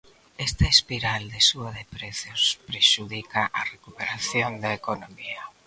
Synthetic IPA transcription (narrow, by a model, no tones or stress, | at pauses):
est̪aespiɾald̪esuaðepɾeθjospɾeʃuðikaʔarekupeɾaθjond̪aekonomia